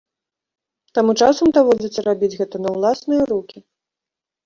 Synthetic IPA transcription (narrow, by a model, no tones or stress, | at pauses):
t̪amut͡ʂasɐmd̪avɔd͡zʲɐsʲɐɾabʲid͡zʲɣɛt̪ɐnɐwlˠasnɨjɐɾukʲi